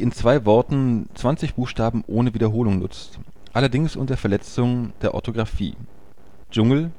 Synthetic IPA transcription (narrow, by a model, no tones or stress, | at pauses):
iːɪnt͡sv̥aɪvɔɐtn̩t͡sv̥ant͡sɪçb̥uːxʃtaːbm̩ʔoːnəviːdɐɦoːlʊŋnʊ̰t͡st | ʔalɐdɪŋsʔʊntdɐfɛɐlɛt͡sʊŋd̥eːɐʔɔ̰ɐtʰoɡʁafḭː | d͡ʒʊŋl̩